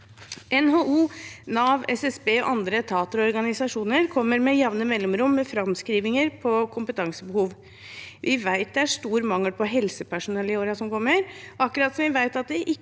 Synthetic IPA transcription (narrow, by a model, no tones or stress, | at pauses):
ʔɛnhoːʔuːnɑːʋɛsɛsbeːɔ̰ʔɑnd̪ɾət̪ʰɑːt̪əɾɔɔɾɡɑnɪsɑʂuːnəɾkʰɔmːəɾmɛjɑʋnəmɛlːɔmɾʊmːɛfɾɑmskɾiːʋɪŋəɾpʰɔkʰʊmpət̪ʰɑŋsəbəhuːʋ | ʋʔɪʋæɪt̪̚d̪ɛæʂt̪uːɾmɑŋːəlpʰɔɦɛlsəpʰæʂʊnɛlɪoːɾɑsɔmkʰɔmːəɾʔɑkːʉɾɑːt̪sɔmʋɪʋæɪt̪ɑt̪̚d̪ɛʔɪ